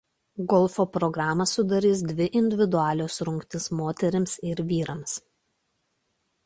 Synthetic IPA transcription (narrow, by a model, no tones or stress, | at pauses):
ɡɔlˠˑfoːpɾɔɡɾɑːmɐsʊd̪ɐɾʲiːs̬d̪ʲʋʲɪʔɪnʲd̪ʲɪʋʲɪd̪ʊɑːlʲoːsɾʊŋkt̪ʲɪsmoːt̪ʲɛɾʲɪmsɪɾʋʲiːɾɐms